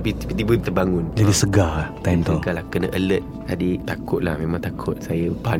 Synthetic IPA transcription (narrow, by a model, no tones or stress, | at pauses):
pit̪ipit̪ibənt̪ərbaŋʊnd͡ʒadisəɡalat̪amt̪ɡalahkənəʔələt̪̚ | adit̪akʊt̪̚la̰hmẽmãŋt̪akʰʊt̪̚sajəpa